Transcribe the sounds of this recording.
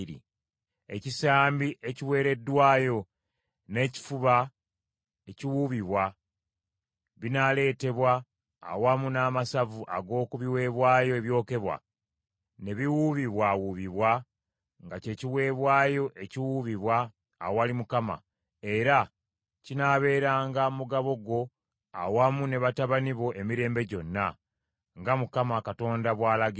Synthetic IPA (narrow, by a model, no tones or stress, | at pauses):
ɾḭ | e̞̰cisaːmbiʔe̞ciwe̞ːɾe̞dːwaːjo̞ | ne̞ci̥fuβa | eciwuβiβwa | βinale̞ːte̞βwa̰ː | wamunaːmasavuʔa̰ɡo̞ːkuβiwe̞βwaːjo̞e̞βjo̞ːke̞βwa̰ | ne̞βiwuβiβwawuβiβwa | ŋɡace̞ciwe̞ːβwaːjo̞ʔe̞ciwuβiβwaː | walimukama̰ | e̞ɾa | cinaːβe̞ːɾaːŋɡamuɡaβo̞ɡo̞ | a̰wamune̞βataβaniβo̞ʔe̞miɾeːmbe̞ɟo̞nːa | ŋɡamukamakato̞ːndaβwaːlaɡi